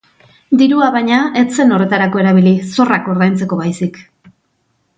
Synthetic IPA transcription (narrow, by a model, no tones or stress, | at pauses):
d̪iɾuaβaɲae̞t͡se̞no̞re̞t̪aɾako̞e̞ɾaβ̞iliso̞rako̞ɾðajnt͡se̞ko̞βajsik